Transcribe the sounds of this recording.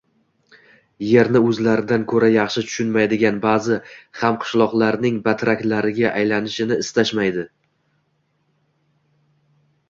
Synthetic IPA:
je̞ɾnɪɵzlaɾɪd̪ankʰɵɾajɑχʃɪt̪ʰʊ̥ʃʊnmajd̪ɪɡʲanbazɪhamqʰɨ̥ʃlˠɒqlˠaɾnɪŋbat̪ɾakʲlaɾɪɡʲaʔajlanɪʃɪnɪːst̪aʃmajd̪ɪ

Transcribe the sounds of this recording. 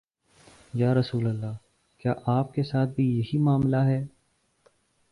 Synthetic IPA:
jaːɾɐsuːləlːaː | kjaːʔaːp̚kesaːt̪̚bʱijɐɦimaːmlaɦɛː

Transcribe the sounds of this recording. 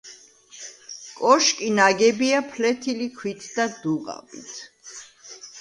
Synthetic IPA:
kʼɔʃkʼinaɡɛbiapʰlɛt̪ʰilikʰwit̪ʰd̪̥ad̪uʁa̰bḭt̪ʰ

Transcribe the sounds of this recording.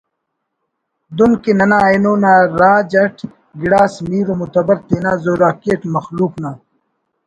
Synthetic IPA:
d̪unkenɐnaːjnoːnaːɾaːd͡ʑɐʈʰ | ɡiɽaːsmiːɾomut̪ɐbɐɾt̪eːnaːzoːɾaːkeːʈmɐxluːknaː

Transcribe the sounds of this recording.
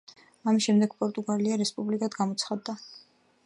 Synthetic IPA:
amisʃɛmd̪ɛɡ̥pʼɔɾt̪ʼuɡaliaɾɛspʼublikʼad̪ɡamɔt̪sʰχad̪ːa

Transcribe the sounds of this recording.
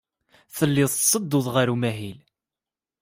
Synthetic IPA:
θəlːɪðˤt̪sˤəd̪ːʊðˤʁaɾumæɦil

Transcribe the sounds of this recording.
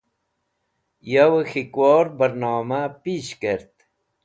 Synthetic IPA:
jawəxikwɔːɾbəɾnɑːmapiːɕkeɾt̪

